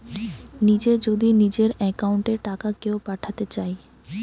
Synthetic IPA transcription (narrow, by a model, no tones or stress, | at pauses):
nid͡ʑed͡ʑod̪inid͡ʑeɾɛkauɳʈeʈakakeopaʈʰat̪et͡ɕaj